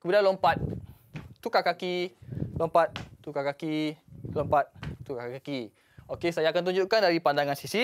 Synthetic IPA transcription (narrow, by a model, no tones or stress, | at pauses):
kəbudanlompat̪̚ː | ukakakilompat̪̚t̪ukakakilompat̪̚t̪ukakaki | okesajaːkant̪uɲd͡ʒuʔkandaɾipandaŋansisi